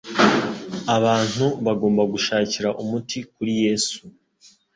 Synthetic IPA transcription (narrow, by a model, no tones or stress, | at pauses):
aβaːn̥huβaɡo̞ːmbaɡuʃaːciɾaʔumutʰikuɾije̞ːsu